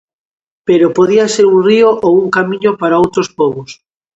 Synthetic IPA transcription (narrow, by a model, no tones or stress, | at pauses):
peɾopoð̞iaseɾuŋrioʔowuŋkamĩɲopaɾaowt̪ɾospɔβos